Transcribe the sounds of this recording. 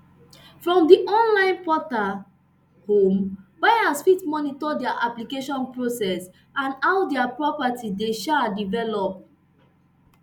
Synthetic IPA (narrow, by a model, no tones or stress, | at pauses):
fɹɔ̃mdiʔɔ̃nlãɪ̃npɔta | hõmbaɪãsfitmɔnitɔdɛaʔaplikeʃɔ̃npɹosɛs | ãnaʊdɛapɹɔpatideʃadivɛlɔp̚